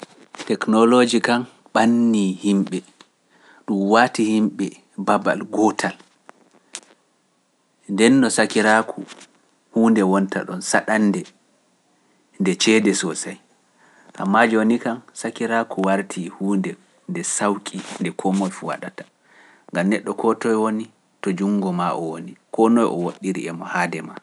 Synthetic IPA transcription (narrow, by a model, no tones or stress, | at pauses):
tɛknɔlod͡ʒikan | ɓanːihimɓɛ | ɗumwaːtihimɓɛ | baba̰lɡɔtʰal | ndɛnːɔsakiɾakʰu | huːndɛwɔnta̰ɗɔnsaɗanːdɛ | ndɛt͡ʃɛːdɛsɔsaj | ʔa̰mːad͡ʒonikansakiɾakʰuwaɾtʰihuːndɛ | ndɛsawkʼindɛkʰɔmɔjfuwa̰ɗatḁ | ŋɡamnɛɗːɔkʰɔtɔjwoni | tɔd͡ʒuŋɡɔmaʔɔwonikɔnɔjʔɔ̰woɗːiɾḭɛmɔhaːdɛma